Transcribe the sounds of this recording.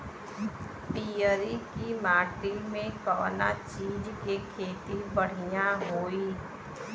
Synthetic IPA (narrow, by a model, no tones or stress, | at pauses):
pijəɾikimaːʈimẽkɔːnat͡ʃiːd͡ʒkekʰeːt̪ibəɽ̤ijãɦoːiː